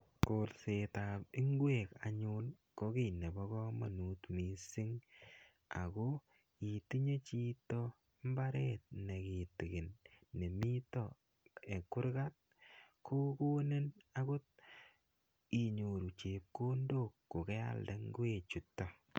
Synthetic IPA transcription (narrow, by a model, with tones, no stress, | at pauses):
ko˨ɾse˨ta˨pi˦ŋɡwe˦˨ka˨ɲu˦n | kɔ˦ki˦˨ne˨bɔ˦kɔ˦ma˨nu˦tmi˨si˦ŋ | a̰˨ko˦ | i˨ti˦ɲe˦t͡ʃi˦tɔ˦ | m˦ba˦ɾet̚ne˨ki˨ti˨ɡe˨nːe˨mi˦tɔ˦ | e˨kːʊ˦ɾka˦t̚ | ko˦ko˦ne˦na˦kʊ˦t̚ | i˨ɲo˨ɾu˨t͡ʃe˨p̚ko˦ndo˦˨kːo˨ke˦a̰˦lde˨ŋɡe˦˨t͡ʃu˨tːo˨